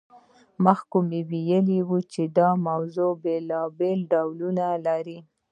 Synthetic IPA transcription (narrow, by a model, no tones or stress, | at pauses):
məxkumewijəliwut͡ʃed̪ɑmawzobelɑbelɖawlunalaɾi